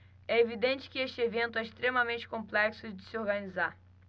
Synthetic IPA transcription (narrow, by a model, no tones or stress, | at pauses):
ɛevid̪ẽnt͡ʃɪ̥kɪeʃt͡ʃɪevẽnt̪ʊɛiʃt̪ɾemɐmẽnt͡ʃɪ̥kõmplɛksʊd͡ʒɪsɪoɾɡɐnizaɾ